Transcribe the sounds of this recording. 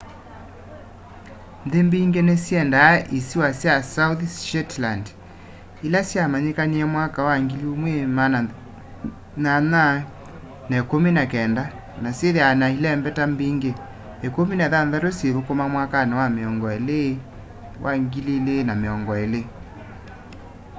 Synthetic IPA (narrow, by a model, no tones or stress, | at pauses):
nðembiːŋɡenesjɛndaʔisiwasjasauθʃɛtland | ilasjamaɲekaniɛmwakawaŋɡiliomwemana | nana | naekominakɛnda | nasjeðeanailɛːmbɛtambiːŋɡe | ekominɛðanðatosjeɾokomamwakanawameɔŋɡɔele | wʔaŋɡililenameɔŋɡɔele